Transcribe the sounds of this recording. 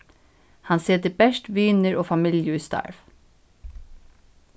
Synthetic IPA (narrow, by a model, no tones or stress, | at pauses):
hɑnseːd̪ebæʃtʋiːnəɹʔoːfɑmɪljəʉːst̪ɑ̰ɹʋ